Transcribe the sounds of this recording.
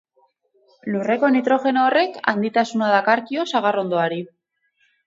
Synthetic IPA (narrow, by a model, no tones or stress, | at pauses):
lure̞ko̞nit̪ɾo̞xe̞noːre̞ka̰nd̪it̪asunaðakaɾkio̞saɣ̞aro̞nd̪oaɾi